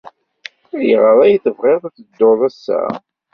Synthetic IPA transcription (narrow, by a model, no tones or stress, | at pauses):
æjəʁəðˤæjθəvʁeðˤæθəd̪ːoðˤæsːæ̰